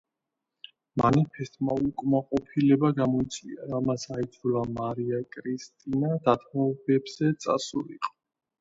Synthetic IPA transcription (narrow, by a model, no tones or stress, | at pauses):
manipʰɛst̪ʼmaukʼmaqʼɔpʰilɛbaɡamɔit̪sʼvḭaɾamasaid̪zulamaɾiakʼɾist̪ʼinad̪at̪ʰmɔbɛbz̥ɛt̪sʼa̰suɾḭqʼɔ̥